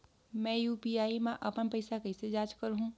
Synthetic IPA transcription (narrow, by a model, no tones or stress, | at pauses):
mɛ̃juːpiaːimẽʔəpənpəɪsakəɪsed͡ʒaːt͡ʃkəɾɦũ